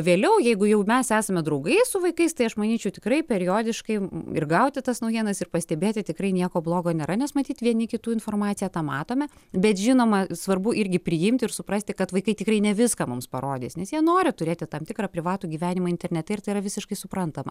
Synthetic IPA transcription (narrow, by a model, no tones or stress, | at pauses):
ʋʲeːlʲɛʊjɛɪɡʊjɛʊmʲɛsæːsɐmʲɛd̪ɾɐʊɡɐɪsʊʋɐɪkɐɪst̪ɐɪɐʃmɐnʲiːt͡ʃʲɛʊt̪ʲɪkɾɐɪpʲɛɾʲɪjoːd̪ʲɪʃkɐɪɪ̰rɡɐʊt̪ʲɪt̪ɐsnɐʊjiɛnɐsɪrpɐsʲt̪ʲɛbʲeːt̪ʲɪt̪ʲɪkɾɐɪnʲiɛkoːblˠoːɡoːnʲeːɾɐnʲɛsmɐt̪ʲiːt̪ʋʲiɛnʲɪkʲɪt̪uːɪnfoːrmɑːtt͡sʲɪjɛːt̪ɑːmɑːt̪oːmʲɛ | bʲɛt̪ʒʲɪnoːmɐsʋɐrbʊʔɪɾʲɡʲɪpʲɾʲɪjɪmʲt̪ʲɪɪrsʊpɾɐsʲt̪ʲɪkɐt̪ʋɐɪkɐɪtʲɪkrɐɪnʲɛʋʲɪskɑːmʊmspɐɾoːd̪ʲiːsnʲɛsjiɛnoːɾʲɪt̪ʊɾʲeːt̪ʲɪt̪ɐmt̪ʲɪkrɑːpʲɾʲɪʋɑːt̪uːɡʲiːʋʲæːnʲɪmɐɪnʲt̪ʲɛrʲnʲɛt̪ʲɛɪrt̪ɐɪirɐʋʲɪsʲɪʃkɐɪsʊpɾɐnt̪ɐmɐ̰